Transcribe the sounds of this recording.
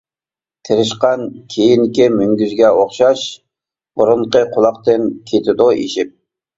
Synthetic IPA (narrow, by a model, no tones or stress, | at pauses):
t̪ʰeɾɪʃqɑnkʲʰejinkʲimyŋɡʲyzɡʲɛoχʃɑʃ | buɾʊnqəqʰolˠɑq̚t̪ɨnkʲʰet̪ʰɪd̪ʊʔḭʃip̚